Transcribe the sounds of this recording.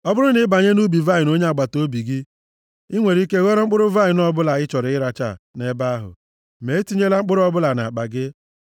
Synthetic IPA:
ɔ˦bʊ˦ɾʊ˦nɪ˨˦ba˨ɲe˦nu˦bi˨va˦˨ɪ˨no˦ɲe˦a˨ɡ͡ba˨to˦bi˨ɡɪ˦ | ɪ˦ŋʷe˨ɾi˦ke˦ɣɔ˦ɾʊ˦ŋ͡m̩˦k͡pʊ˦ɾʊ˦va˦ɪ˨nɔ˦bʊ˦la˨ɪ˦t͡ʃɔ˨ɾɪ˨˦ɪ˦ɾa˨t͡ʃa̰˦˨ne˦ba˦ɦʊ̰˨ | me˨˦e˦ti˦ɲe˦la˦ŋ͡m̩˦k͡pʊ˦ɾʊ˦ɔ˦bʊ˦la˨na˨a˨k͡pa˨ɡɪ˦

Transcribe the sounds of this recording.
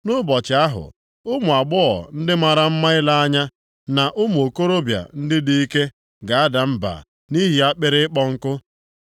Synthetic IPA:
nʊ˦bɔ˨t͡ʃɪ˨a˦ɦʊ̰˨ | ʊ˦mʊ˨a˨ɡ͡bɔ˦ɔ̰˨n̩˦dɪ˦ma˨ɾa˨m̩˦ma˦ɪ˦la˦a˦ɲa˦ | na˨ʔʊ˦mʊ˨o˨ko˦ɾo˦bja̰˨n̩˦dɪ˦di˦i˦ke˦ | ɡa˨a˦da˨m̩˦ba̰˨ | ni˦ɦi˨a˦k͡pɪ˦ɾɪ˦ɪ˦k͡pɔ˦ŋ̩˦kʊ˦

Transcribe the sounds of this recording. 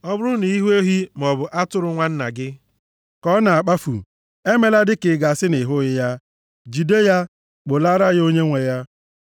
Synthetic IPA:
ɔ˦bʊ˦ɾʊ˦ni˨i˦ɦe˦ɦi˦m˨ɔ˨bʊ˨ʔa˦tʊ˦ɾʊ˦ŋʷa˦n̩˦na̰˨ɡɪ˦ | kɔ˦na˨a˨k͡pa˦fṵ˨ | e˦me˨la˦dɪ˦kɪ˨ɡa˨a˨sɪ˦nɪ˨ɦʊ˦ɣɪ˦ja˦ | d͡ʒi˨de˦ja˦ | k͡pʊ˨la˦ɾa˦ɣo˦ɲe˦ŋʷe˨ja˦

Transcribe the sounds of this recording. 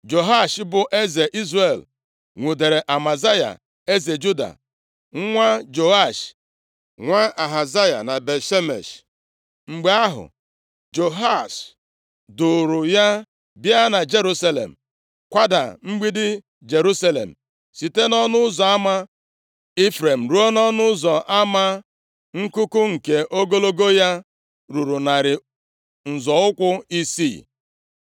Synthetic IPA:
d͡ʒo˨ɦa˦˨ʃbʊ˨ʔe˦ze˨ʔi˦zre˨l | ŋʷu˨de˨ɾe˨ʔa˨ma˨za˦ja̰˨ | e˦ze˨d͡ʒu˦da̰˨ | ŋ̩˦ŋʷa˦d͡ʒo˨a˦˨ʃ | ŋʷa˦a˨ɦa˨za˦ja̰˨na˨be˨ʃe˦mḛ˨ʃ | ŋ͡m̩˨ɡ͡be˦a˦ɦʊ̰˨ | d͡ʒo˨ɦa˦˨ʃ | dʊ˨ɾʊ˨ja˦ | bja˦na˨d͡ʒe˦ɾu˦sa˦lḛ˨m̩˨ | kʷa˦da̰˨ŋ͡m̩˦ɡ͡bi˦dɪ˦ | d͡ʒe˨ɾu˦sa˦lḛ˨m̩˨ | si˨te˦nɔ˦nʊ˦zɔ˨a˦ma˦ | i˦fɾe˨m̩˨ɾu˦o˦nɔ˦nʊ˦zɔ˨ʔa˦ma˦ | ŋ̩˦kʊ˦kʊ˦ŋ̩˨ke˨ʔo˦ɡo˦lo˦ɡo˦ja˦ | ɾu˨ɾu˨na˨ɾɪ˨ | n̩˨zɔ˨ʊ˦kʷʊ˦i˦sḭ˦˨

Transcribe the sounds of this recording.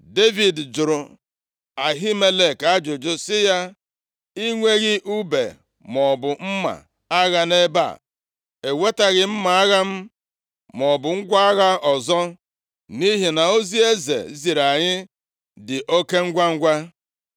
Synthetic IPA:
de˦vi˨dd͡ʒʊ˨ɾʊ˨ | a˨ɦi˦me˦le˨ka˦d͡ʒʊ˨d͡ʒʊ˦sɪ˦ja˦ | i˦ŋʷe˦ɣɪ˦ʔu˦bḛ˨ | mɔ˨bʊ˨m̩˦ma̰˨ | a˦ɣa˦ne˦ba̰˦˨ | e˨we˦ta˨ɣɪ˨m̩˦ma˨a˦ɣa˦m̩˦ | mɔ˨bʊ˨ŋ̩˦ɡʷa˦a˦ɣa˦ɔ˨zɔ˦ | ni˦ɦi˨na˨o˦zi˦e˦zḛ˨zi˨ɾa˨ɲɪ˦ | dɪ˨ʔo˦ke˦ŋ̩˦ɡʷa˦ŋ̩˦ɡʷa˦

